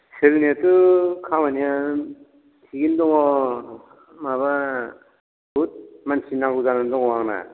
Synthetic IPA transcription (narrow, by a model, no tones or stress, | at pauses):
selnatɯkʰawanija | tʰiɡindɔŋɔ | maβa | but̚mansinaŋɡuzanandɔŋɔwaŋna̰